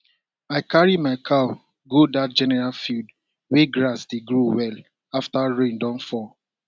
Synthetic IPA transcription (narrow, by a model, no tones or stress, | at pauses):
aɪkʰaɹimaɪkʰaʊ | ɡodat̚d͡ʒɛnɛɹalfild | weɡɹasdeɡɹuwɛl | aftaɹẽndɔ̃nfɔ